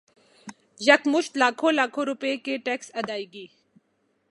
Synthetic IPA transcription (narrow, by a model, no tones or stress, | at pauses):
jɐkmʊʃt̪laːkʰõːlaːkʰoːɾʊpekeʈeːksɐd̪aːiːɡiː